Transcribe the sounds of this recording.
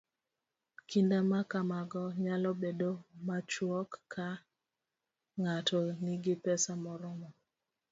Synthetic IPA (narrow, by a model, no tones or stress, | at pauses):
kindamakamaɡɔɲalɔbedomat͡ʃwɔkːʰa | ŋatɔniɡɪpɛsamɔɾʊmɔ